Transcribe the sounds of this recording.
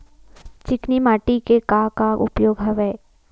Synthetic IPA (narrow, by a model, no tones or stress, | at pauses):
t͡ʃɪknimaːʈikekakaʔʊ̰pjoːɡɦɐʋɛ